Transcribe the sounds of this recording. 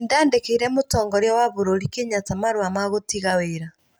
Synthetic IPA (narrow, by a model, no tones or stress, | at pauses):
ndaːndekeiɾɛmotɔːŋɡɔɾjɔwaβoɾoɾikeɲatamaɾoamaɣotiɣaweɾa